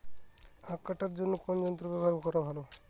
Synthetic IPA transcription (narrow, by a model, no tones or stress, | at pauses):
akːaʈaɾd͡ʒonːokɔnd͡ʒɔnt̪ɾobebʱaɾkɔɾabʱalo